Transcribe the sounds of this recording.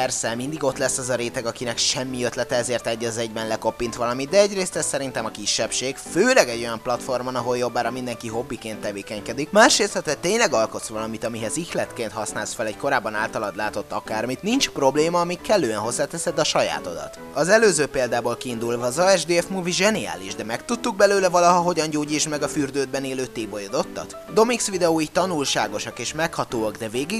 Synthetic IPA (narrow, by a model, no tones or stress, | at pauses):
pɛrsɛmind̪iɡo̞t̪lɛsːɛzɒɾeːt̪ɛɡɒkinɛkʃɛmːiøt̪lɛt̪ɛɛzeːrt̪ɛɟːɒzɛɟvɛnlɛko̞pːint̪ʋɒlɒmit̪̚d̪ɛɛɟreːst̪ɛst̪sɛɾint̪ɛmɒkiʃːɛpʃeːɡføːlɛɡɛɟːo̞jɒmplɒt̪fo̞rmɒnɒɦo̞ljo̞bːaːɾɒmind̪ɛŋkiɦo̞bːikeːnt̪ːɛveːkɛɲkɛd̪ikmaːʃɾeːst̪ɛt̪ɛc̚t̪eːɲlɛɡɒlko̞t̪sʋɒlɒmit̪ɒmiɦɛzixlɛt̪keːnt̪hɒsnaːlsfɛlɛɟko̞ɾaːbːɒnaːlt̪ɒlɒd̪laːt̪o̞t̪ːɒkaːrmit̪nint͡ʃpro̞bleːmɒːmikkʰːɛlːøːɛnɦo̞zːaːt̪ɛsɛd̪ɒʃɒja̰ːt̪o̞̰d̪ɒ̰t̪ | ɒzɛløːzøːpeːld̪aːbolkiːnd̪ulvɒːzɒɛʒd̪eːɛfmuːviʒɛnia̰ːliʒd̪ɛmɛkt̪ut̪ːuɡ̚bɛløːlɛvɒlɒɦɒɦo̞ɟɒɲɟoːɟit͡ʃmɛɡɒfyrd̪øːd̪̚bɛneːløːt̪eːbojod̪o̞t̪ːɒ̰t̪ | d̪o̞miksʋid̪ɛoːiːct̪ɒnulʃaːɡo̞ʃɒkeːʃmɛkhɒt̪oːɒɡd̪ɛveːɡiɡ